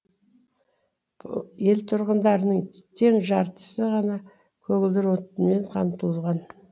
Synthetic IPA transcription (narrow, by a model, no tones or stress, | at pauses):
je̞lt̪ʰʊɾʁənd̪ɑɾənəɴt̪ʰe̞ŋʒɑɾt̪ə̥səʁɑnɑ | kʲʰɵɡɪld̪ɪɾo̞t̪nme̞ɴqʰɑmt̪əllˠʁɑn